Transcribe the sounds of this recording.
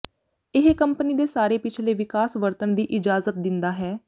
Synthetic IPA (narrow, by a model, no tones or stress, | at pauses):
ɪɦkəmpəniːd̪eːsaːɾeːpɪt͡ʃʰleːʋɪkaːsʋəɾt̪ənd̪iːʔɪd͡ʒaːzət̪̚d̪ɪnd̪aːɦɛː